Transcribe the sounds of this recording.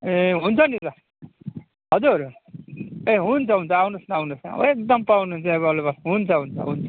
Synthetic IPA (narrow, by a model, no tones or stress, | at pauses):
eɦunt͡sʰʌnita | ɦʌd͡zuɾ | eɦunt͡sʰʌɦunt͡sʰʌawnusnaawnusna̰ek̚d̪ʌmpawnuɦunt͡sʰʌebʌlobasɦunt͡sʰʌɦunt͡sʰʌ̰ɦunt͡sʰʌ̥